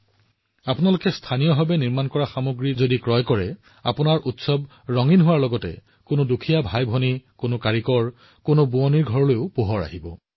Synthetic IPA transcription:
apʊnalʊkɛstʰanijɔɦabɛniɹmankɔɹaxamoɡɹizodikɹɔjkɔɹɛ | a̰pʊnaɹʔutsɔb | ɹɔŋinɦʊwaɹlɔɡɔtɛ̰ | kʊnʊdukʰijabʱajbʱɔnikʊnʊkaɹikɔɹ | kʊnʊbuɔniɹɡʱɔɹɔlojʊpoɦɔɹa̰ɦibɔ̰

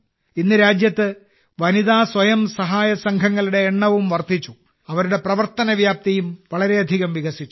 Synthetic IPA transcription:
inːɨɾaːd͡ʑjɐt̪ːɨ | ʋɐniðaːsʋɐjɐmsɐɦaːjɐsɐŋkʰɐŋːɐɭuɽe̞ːɳːɐʋumʋɐrt̪it͡ɕːu | ɐʋɐɾuɽe̞prɐʋɐrt̪ɐnɐʋjaːp̚t̪ɐjumʋɐɭɐɾe̞ɐd̪ʱiɣɐmʋiɣɐsit͡ɕːu

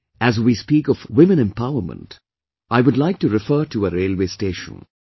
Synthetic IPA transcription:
æzwiːspiːkɔvwɪ̃mə̃nɛ̃mpaʊə˞mə̰̃nt | aɪʋʊdlaɪk̚ʈuɾɪfəːʈuəɾeːlweːsteːʃə̰̃n

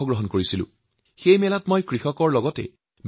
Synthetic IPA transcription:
ɔɡɹɔɦɔnkoɹisilʊ̰̃ | xejmɛlatmɔjkɹixɔkɔɹlɔɡɔtɛ̰ | m

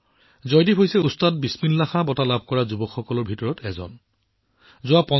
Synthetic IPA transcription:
zɔjdibʰʱojsɛustad̚bisminlaxabɔtalab̚ʱkɔɹazubɔkxɔkɔlɔɹbʱitɔɹɔtʰɛzɔ̰n | zʊapɔ

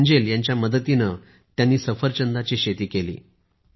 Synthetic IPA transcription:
d͡ʑeljaɲt͡ɕjaməd̪ət̪inə | t̪janːiːsəfəɾt͡ɕənd̪at͡ɕiːɕet̪iːkelḭː

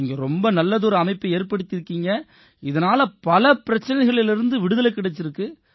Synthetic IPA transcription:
ɪŋɡɐɾɔmbɐnɐlːɐðɔɾɯɐmɐɪpːɐeːɾpɐɽɯt̪ːɪɾɯkːiːŋɡɐ | ɪðɐnaːlɐpɐlɐpɪɾɐt͡ʃːɐnɐɪɣɐɭɪlɪɾɯnd̪ɯʋɪɽɯðɐlɐkːɪɽɛt͡ʃːɪɾɯkːɯ

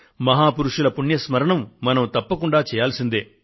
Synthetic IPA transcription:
mɐɦaːpuɾuʂulɐpuɳjɐsmɐɾɐɳɐmːɐnɐmt̪ɐpːɐkuɳɖaːt͡ʃɛːjaːlsind̪ḛː

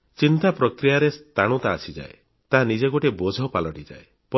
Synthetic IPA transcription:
t͡ʃint̪apɾɔkɾijaɾest̪aɽ̃ut̪aːsid͡ʒa̰e | t̪aɦanid͡ʒeɡoʈebod͡ʒʱɔpalɔʈid͡ʒa̰e | pɔ

